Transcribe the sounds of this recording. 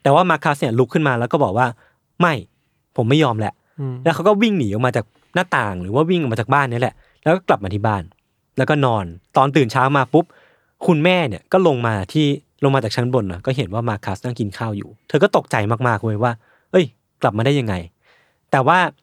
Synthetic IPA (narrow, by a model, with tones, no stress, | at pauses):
t̪ɛː˨˩waː˥˩maː˧kʰːa˦˥sni˥˩lu˦˥kʰːɯ˥˩nmaː˧lɛ˦˥kɔː˥˩bɔː˨˩k̚waː˥˩ | ma˥˩j | pʰo˩˦mːa˥˩jɔː˧mlɛ˦˥ʔ | lɛ˦˥wkʰa˦˥wkɔː˥˩wi˥˩ŋniː˩˦ʔo˨˧maː˧t͡ɕaː˨˩k̚ | naː˥˩t̪aː˨˩ŋɾɯː˩˦waː˥˩wi˥˩ŋʔmaː˧t͡ɕaː˨˩k̚baː˥˩nːi˦˥˩lɛ̰˨˩ʔ | lɛː˦˥wkɔː˥˩kla˨˩p̚maː˧t̪ʰiː˥˩baː˥˩n | lɛː˦˥wkɔː˥˩nɔː˧nt̪ɔː˧nt̪ɯː˨˩nt͡ɕʰaː˦˥wmaː˧pu˦˥p̚ | kʰu˧nmɛː˥˩ni˧˩ɐkɔː˥˩lo˧ŋmaː˧t̪ʰiː˥˩ | lo˧ŋmaː˧t͡ɕaː˨˩t͡ɕʰnbo˧nːɔ˨˦kɔː˥˩ɦe˩˦nwaː˥˩maː˧˥kʰːa˦˥snaː˥˩ŋki˧nkʰaː˥˩wjṵː˨˩t̪ʰɤː˧k̬ɔ˥˩t̪o˨˩k̚t͡ɕa˧jmaː˥˩k̚maː˥˩k̚woː˧jwaː˥˩ | ʔɤ˦˥˩j | kla˨˩p̚maː˧da˥˩ja˧ŋːa˧j | t̪ɛː˨˩waː˥˩